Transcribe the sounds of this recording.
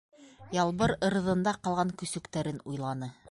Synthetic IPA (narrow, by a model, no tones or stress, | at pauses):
jɑlˠβɤɾɤ̆ɾɤ̆ðɤ̆nd̪ɑqɑlˠʁɑŋkɵ̆sɵ̆kt̪æɾɘnujlˠɑnɤ